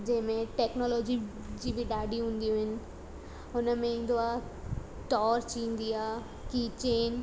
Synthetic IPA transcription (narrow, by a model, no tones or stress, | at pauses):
d͡ʑeɦmẽʈɛknɔːlɔːd͡ʑi | d͡ʑibʱiɖaːɖiɦũːnd̪iʊɦɪn | ʊnəmẽnd̪oa | ʈɔːɾt͡ʃiːnd̪ija | kit͡ʃeːn